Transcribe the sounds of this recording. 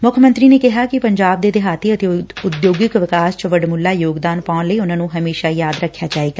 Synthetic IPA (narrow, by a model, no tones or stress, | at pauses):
mʊkʰəmənt̪ɾiːneːkɪɦaːkɪpəɲd͡ʒaːb̚d̪eːd̪ɪɦaːt̪eːət̪eːʊd̪joːɡɪkʋɪkaːst͡ʃʋəɖmʊlːaːjoːɡd̪aːnpaːʊ̃nləiːʊnãːnũːɦəmeːʃaːjaːd̪ɾəkʰːjaːd͡ʒaːeːɡaː